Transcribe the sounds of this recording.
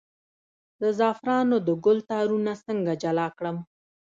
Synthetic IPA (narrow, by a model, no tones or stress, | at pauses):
zəzɑfɾɑnod̪əɡʊlt̪ɑɾunasəŋɡad͡ʒalɑkɽəm